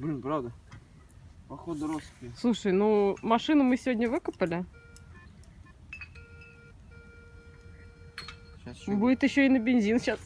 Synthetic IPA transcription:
bʲunʲpɾavd̪ə | pɐxod̪əɾoskʲɪslˠuʂəjnumɐʂɨnəmɨsʲɪvʲodʲnʲəvɨkəpəlʲɪ | budʲɪt̪jɪɕːoɪnəbʲɪnzʲinɕas

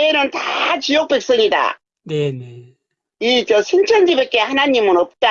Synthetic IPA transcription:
enɯntat͡ɕijok̚p͈e̞k̚s͈ʌŋida̰ | nene | it͡ɕʌsʰent͡ɕʰʌnd͡ʑibek͈e̞hanaɲimɯnʌp̚t͈a

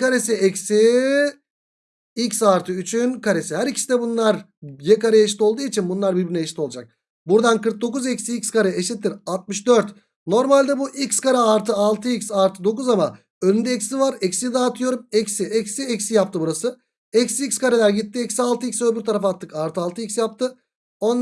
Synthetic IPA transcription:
kʰaɾesiɛcsi | icsaɾt̪ʰɯyt͡ʃʰynkaɾesiɦæɾicʰi̥sid̪ɛbunlˠaɾjekaɾajeʃ̬i̥t̪ʰo̞lˠd̪uːit͡ʃʰinbunlˠaɾbiɾbiɾnɛjeʃit̪ʰo̞lˠad͡ʒak̚ | buɾd̪ankɯɾk̚d̪o̞kuzɛcsiicʲskaɾaeʃit̪ʰːiɾat̪̚mɯʃd̪øɾt̪ | no̞ɾmalʲd̪ɛbuʔicskaɾaːɾt̪ʰɯalˠt̪ʰɯicsaɾt̪ʰɯd̪o̞kuzama | ønynd̪ɛɛcsivaɾɛcsid̪aːt̪ʰɯjo̞ɾumɛcsiʔɛcsiɛcsijapt̪ɯbuɾasɯ | ɛcsicskaɾelʲæɾɟit̪ʰːiɛcsialˠt̪ʰɯicʲsøbyɾt̪ʰaɾafaɾt̪ʰːɯkaɾt̪ʰɯalˠt̪ʰɯicsjap̚t̪ʰɯ | o̞n

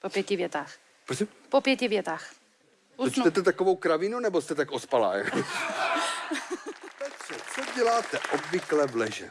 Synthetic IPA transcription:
popjɛcɪvjɛt̪aːx | pɾosim | popjɛcɪvjɛt̪aːx | ut͡ʃnt̪ɛt̪ɛt̪akovo̞wkɾavɪnunɛbost̪ɛt̪akʔospala̰ːjɛ | pɛtr̥ɛt͡soɟɛlaːt̪ɛʔobvɪklɛvlɛʒɛ̰

